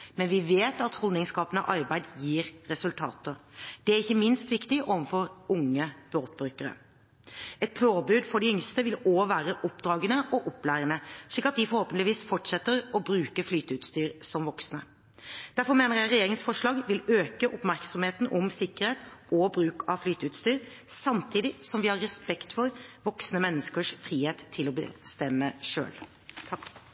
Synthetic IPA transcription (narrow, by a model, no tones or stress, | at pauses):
mɛnʋɪʋeːt̪ɑt̪hɔld̪nɪŋskɑːpənə̰ʔɑɾbæɪd̪jiːɾɾɛsʉlt̪ʰɑ̰ːt̪əd̪̥ɛæɾɪçːəmɪnst̪ʋɪkt̪ɪʔɔʋəfɔɾʊŋːəb̥oːt̪bɾʉːkəɾə̰ | ɛt̪̚pʰoːbʉːd̪fɔɖɪʏŋst̪əʋɪloːʋæːɾəʔɔpd̪ɾɑːɡənəʔɔʔɔpːlæːɾənəʂlɪkːɑt̪̚d̪ɪfɔɾhoːpnlɪʋiːsfɔʈʂɛt̪ːəɾɔbɾʉːkəflyːt̪əʉːt̪st̪yːɾsɔmʋɔksnə | d̪̥æɾfɔɾmeːnəɾjæɪɾɛjeːɾɪŋsfɔʂɭɑːɡʋɪløːkəʔʊpmæɾksɔmheːt̪nʔɔmsɪkəɾheːt̪ɔbɾʉːkɑʋflyːt̪əʉːt̪st̪yːɾ | sɑmt̪ʰiːd̪ɪsɔmʋɪhɑɾɛspɛkt̪fɔɾʋɔksnəmɛnːəskəʂfɾiːheːt̪ʰːɪlɔbə̰st̪ɛmːəʂø̰ːlʰ